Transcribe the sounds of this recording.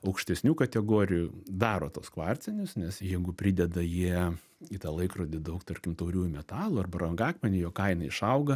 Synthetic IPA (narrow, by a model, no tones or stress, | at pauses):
ɐʊkʃʲt̪ʲɛsʲnʲuːkɐt̪ʲɛɡoːɾʲɪjud̪ɑːɾoːt̪oɔskʋɑːrʲt͡sʲɛnʲʊsnʲɛsjɛɪɡʊpʲɾʲɪd̪ʲɛd̪ɐjiɛ | it̪ɑːlˠɐɪkroːd̪ʲɪd̪ɐʊkt̪ɐrʲkʲɪmt̪oʊɾʲuːjʊmʲɛt̪ɑːlˠʊːɐrbɐɾɐŋɡɑːkmʲɛnʲʊjoːkɐɪnɐɪʃɐʊɡɐ